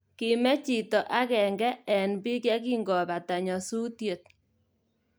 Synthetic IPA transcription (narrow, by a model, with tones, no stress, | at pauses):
kɪ˨mɛ˦t͡ʃi˨tɔ˨ʔa˦kɛ˨ŋɡɛ˦ɛ˨nbi˦kja˦ki˦ŋɡɔ˨βa˨ta˨ɲɔ˨su˦tje˨t̪̚